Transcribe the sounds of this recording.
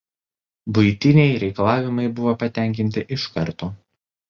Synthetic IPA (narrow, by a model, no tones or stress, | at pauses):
bʊɪt̪ʲɪnʲɛɪɾʲɛɪkɐlˠɑːʋʲɪmɐɪbʊʋoːpɐt̪ʲæˑŋʲk̬ʲɪnʲt̪ʲɪʔɪʃkɐ̰ɾt̪oː